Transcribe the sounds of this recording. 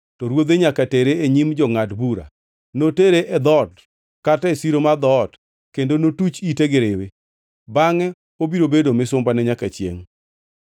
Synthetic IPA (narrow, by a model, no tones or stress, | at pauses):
tɔɾwod̪eɲakateɾeeɲimd͡ʒɔŋadbuɾa̰ | noteɾeʔɛd̪ɔt | katɛsiɾomad̪ɔt | kendonotut͡ʃiteɡɪɾewe | baŋɛ | obiɾobedomɪsʊmbanɛɲakat͡ʃjḛŋ